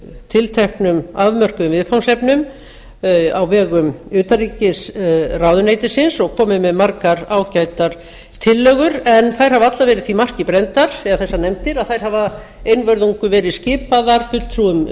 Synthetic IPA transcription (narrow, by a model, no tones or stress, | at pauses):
t̪ʰɪlt̪ʰɛhknʏmaðmœr̥kʏʏvɪðfawnsɛpnʏm | awvɛːɣʏmʏːt̪ariːcɪsrawðʏneːjt̪ɪsɪnsɔɣkʰɔːmɪmɛðmaɾkaɾaːwcajt̪aɾ̥ | t̪ʰɪlːœːɣʏɾɛnθajɾ̥havat̪lavɛːɾɪðθfimar̥cɪpɾɛnt̪aɾ̥ɛðaθɛsːanɛmt̪ɪɾaðθajɾ̥hava | eːjnvœɾðuŋkʏvɛːɾɪðscɪːpaðaɾ̥fʏl̥t̪ʰɾuʏm